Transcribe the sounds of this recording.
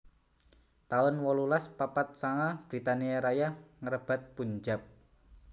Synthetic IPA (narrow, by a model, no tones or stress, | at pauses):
t̪aʊnwɔlulaspapat̪̚saŋab̥ɾit̪aniaɾajahŋəɾəb̥a̤t̪̚puɲd͡ʒap̚